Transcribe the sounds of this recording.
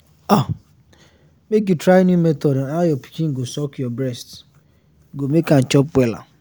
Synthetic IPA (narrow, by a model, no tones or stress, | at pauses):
a | mek̬jutɾajenimɛtɔdajɔpi̥kiŋ̩ɡosɔkjɔbɾɛst | ɡomekan̩t͡ʃɔpwɛla̰